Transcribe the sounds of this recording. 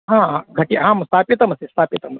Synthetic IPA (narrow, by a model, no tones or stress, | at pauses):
ɦãːɡʱɐʈiɦãːmst̪ʰaːpjɐt̪ɐmɐsist̪ʰaːpjɐt̪ɐmɐs